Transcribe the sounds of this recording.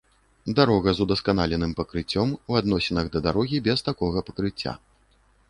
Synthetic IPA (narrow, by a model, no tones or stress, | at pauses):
d̪aɾɔɣɐzud̪ɐskanalʲɛnɨmpɐkɾɨt͡sʲːɔmwad̪nɔsʲinɐɣd̪ɐd̪aɾɔɣʲibʲɛst̪akɔɣɐpɐkɾɨt͡sʲːa̰